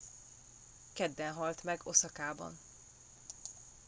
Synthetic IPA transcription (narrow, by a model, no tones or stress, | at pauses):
kɛd̪ːɛnɦɒlt̪mɛɡo̞sɒkaːbɒ̰n